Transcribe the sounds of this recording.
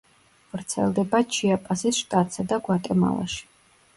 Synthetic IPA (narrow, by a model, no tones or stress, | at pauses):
vɾt̪sʰɛ̰lˠd̪ɛbat͡ʃʰiapʼasisʃt̪ʼat̪ʼsad̪aɡwat̪ʼɛma̰lˠa̰ʃi̥